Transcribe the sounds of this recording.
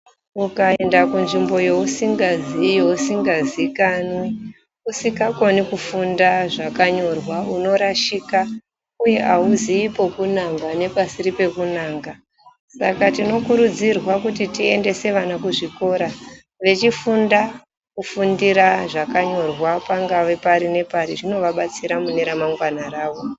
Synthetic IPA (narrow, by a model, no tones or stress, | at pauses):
ukaendakunʐimbo̞jo̞usiŋɡazijo̞usiŋɡazikanwi | usikako̞nikufundaʐakaɲo̞rwauno̞ɾaʃika | uje̞ʔauziipo̞kunaŋɡane̞pasiɾipe̞kunaːŋɡa | sakatino̞kuɾud͡zirwakutitie̞nde̞se̞ʋanakuʐiko̞ɾa | ʋe̞t͡ʃifunda | kufundiɾaʐakaɲo̞rwapaŋɡaʋe̞paɾine̞paɾiʐino̞ʋaɓat͡siɾamuneɾamaŋɡwanaraːʋo̞